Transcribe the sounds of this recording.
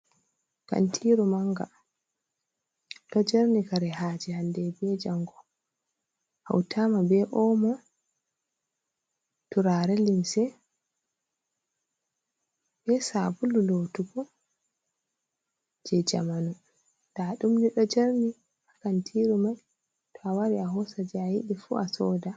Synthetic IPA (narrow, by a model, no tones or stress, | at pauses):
ka̰ntʰiːɾumaŋɡa̰ | ɗɔd͡ʒaɾnikaɾɛhaːd͡ʒihandɛbɛd͡ʒaŋɡɔ | ha̰wtʰamabɛʔɔmɔ | tuɾaɾɛlimsɛ | bɛsabululotuɡɔ | d͡ʒɛd͡ʒa̰manu | d̥aɗumniɗɔd͡ʒaɾni | hakantʰiɾumaj | tɔawaɾiaɦɔsad͡ʒɛajiɗifṵasɔːda